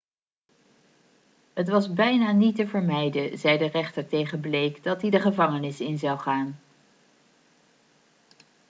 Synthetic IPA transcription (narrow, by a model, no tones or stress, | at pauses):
ɦətʋɑzbɛjnaːnitəvəɹmɛjdəzɛjdərɛχtəɹtejχənblejkdɑtidəχəvɑŋənɪsɪnzɑwχaːn